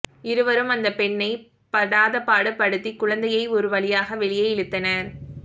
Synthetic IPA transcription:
ɪɾɯʋɐɾɯmɐnd̪ɐpɛɳːɐɪ | pɐɽaːðɐpːaːɽɯpːɐɽɯt̪ːikːʊɻɐnd̪ɐjɐɪɔɾɯʋɐɭɪjaːɣɐʋɛɭɪjɐjɪɻɯt̪ːɐnɐɾ

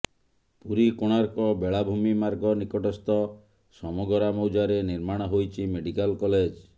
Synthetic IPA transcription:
puɾikoɽ̃aɾkɔbeɭabʱumimaɾɡɔnikɔʈɔst̪ɔ | sɔmɔɡɔɾamɔwd͡ʒaɾeniɾmaɽ̃ɔɦojt͡ʃʰimeɽikalkɔled͡ʒ

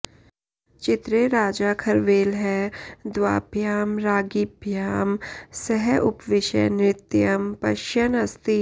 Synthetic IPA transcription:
t͡ʃɪt̪ɾeɾaːd͡ʒaːkʰɐɾʋeːlɦɛd̪ʋa̰ːbʱjaːmɾaːɡibʱjaːmsɛɦɛʔʊpʋɪʃə̰jnɾɪt̪jɐmpɐʃjɐnɐst̪i

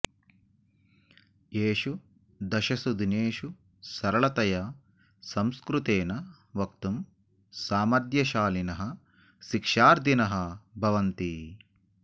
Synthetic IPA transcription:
jeːʃu | d̪ɐʃɐsud̪ʱineːʃu | sɐɾɐɭɐt̪ɐjɐ | sɐmskɾut̪eːnɐ | ʋɐk̚t̪um | saːmɐɾd̪jɐʃaːlinɐɦɐ | ʃikʂaːɾd̪ʱinɐɦɐbʱɐʋɐnt̪i

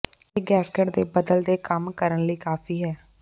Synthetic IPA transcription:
eːɡɛːskeɖd̪eːbəd̪əld̪eːkəmkəɾənləiːkaːpʰiːɦɛː

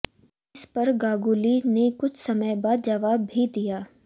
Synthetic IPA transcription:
ɪspɐɾɡaːɡuːlinekʊt͡ʃʰsɐməjbaːd̪̚d͡ʒɐʋaːbʱid̪ijaː

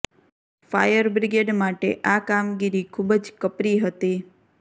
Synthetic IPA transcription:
fa̰jəɾbɾiɡeɖmaʈḛʔakamɡiɾikʰubəd͡ʒkəpɾiɦət̪i

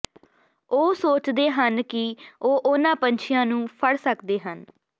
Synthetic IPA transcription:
oːsoːt͡ʃd̪eːɦənkɪoːʔʊnãːpənt͡ʃʰɪjãːnũːpʰəɽsəkd̪eːɦən

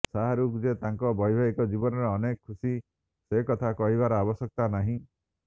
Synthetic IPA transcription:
saɦaɾukd͡ʒet̪aŋkɔbɔjbʱaɡikɔd͡ʒibɔnɔɾɔːnekɔkʰːusi | sekɔt̪ʰakɔɦibaɾɔabɔsɔk̚t̪anaɦĩ

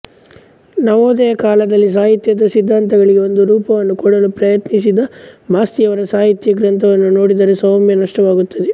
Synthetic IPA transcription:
nɐʋoːd̪ɛjɐkaːlɐd̪ɐlːis̬aːɦit̪jɐd̪ɐsid̪ʱːaːnt̪ɐɡɐɭiɡe̞o̞nd̪uɾuːpɐʋɐnːukɔɽɐlupɾɐjɐt̪nisid̪ɐmaːst̪ijɐʋɐɾɐsaːɦit̪jɐɡɾɐnt̪ɐʋɐnːuno̞ːɽid̪ɐɾesɐmjɐnɐʂʈɐʋaːɡut̪ːɐd̪e

